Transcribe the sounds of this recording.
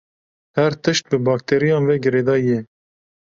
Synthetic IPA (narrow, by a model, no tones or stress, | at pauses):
hæɾt̪ɨʃt̪̚bɨbɑːk̚t̪ʰeːɾijɑ̃ːnvɛɡɨɾeːd̪ɑːjɛ